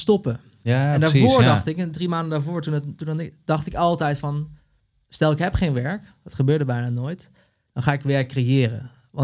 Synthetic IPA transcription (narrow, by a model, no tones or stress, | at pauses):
stɔpə | aɛndaːɹvʊːɹdɑχtɪkdrimaːndədaːɹvoːɹtununɪd̥ɑχtɪkɑlˠtɛjtfɑn | stɛlˠɪkɦɛpχejnʋɛɹkdɔtχəbøːɹdəbɛjnaːnoːjt | d̥ɔnχaːɪkʋɛɹkːrejɪːɾə̰ | ʋɑ